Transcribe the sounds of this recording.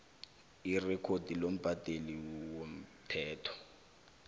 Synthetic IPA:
irɛkʰod̥ʱilom̩b̥ʱad̥ʱeliwom̩tʰɛːtʰɔ̥

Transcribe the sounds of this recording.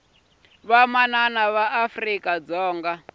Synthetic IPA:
βamananaβaʔafrikʼad͡zɔːŋɡa

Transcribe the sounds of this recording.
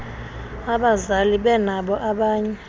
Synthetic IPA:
aɓazaliɓɛnaɓɔʔaɓaːɲɛ

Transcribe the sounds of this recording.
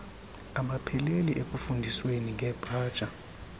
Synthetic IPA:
amapʰɛleliʔekʼufundʱisweniŋʱɛb̥ʱaːd̥ʒ̥ʼa

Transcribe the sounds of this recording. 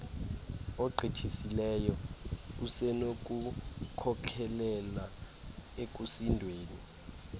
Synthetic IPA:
ɔǃʱitʰisilɛjɔusɛnok̬ʼukʰɔkʰɛlɛla | ek̬ʼusindʱweːni

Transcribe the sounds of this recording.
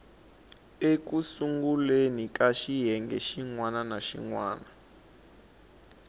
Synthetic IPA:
ekusuŋɡulenikaʃiɦɛŋɡɛ̰ʃiŋwananaʃḭŋwa̰ːna

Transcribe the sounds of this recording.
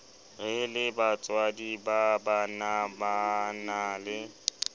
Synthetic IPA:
ɣɪlɪbat͡sʼwadibabanabanalɪ

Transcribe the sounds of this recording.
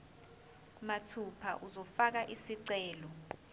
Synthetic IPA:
matʰupʰa̰ʔuzɔfak̬aʔisiǀɛːlɔ

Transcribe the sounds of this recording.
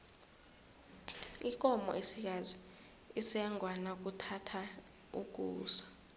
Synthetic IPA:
ik̬ʼɔmɔ̰ʔesik̬aziː | sɛŋʱwanak̬utʰatʰa | ṵk̬ʼuːsḁ

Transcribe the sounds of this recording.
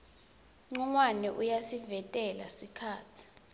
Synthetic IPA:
ŋ͡ǀuŋwanɛʔujasivɛtʼɛla̰sikʰaːtʰi̥

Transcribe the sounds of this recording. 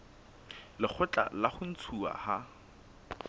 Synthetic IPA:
lɪk͡xʰʊt͡ɬʼa̰laχʊn̩t͡sʰua̰ha

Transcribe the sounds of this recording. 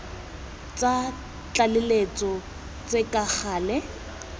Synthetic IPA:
t͡sʼa | t͡ɬʼalɪlet͡sʼɔ | t͡sʼekʼak͡xʰaːlɛ

